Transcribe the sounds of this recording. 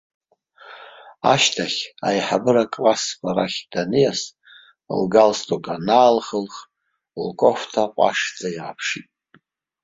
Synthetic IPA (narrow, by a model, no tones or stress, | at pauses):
a̰ʃtʰaχʲajħabɨɾakʼlaskʷʰaraχʲd̥anijas | lɡalstʼokʼanaːlχəlχ | lkʼo̞ftʰaqʷʼa̰ʂd͡zʼajiʁapʰʂitʼ